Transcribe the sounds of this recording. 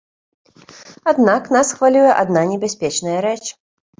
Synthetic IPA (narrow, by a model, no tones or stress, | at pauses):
ad̪naknasxvalʲujɛʔad̪nanʲɛbʲasʲpʲɛt͡ʂnɐjɐɾɛt͡ʂ